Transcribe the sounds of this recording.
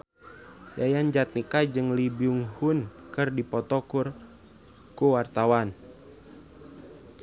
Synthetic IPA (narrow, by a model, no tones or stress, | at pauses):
jajand͡ʒat̪̚nikad͡ʒɨŋlibiuŋhunkɨrdipɔt̪ɔkur | kuwart̪awan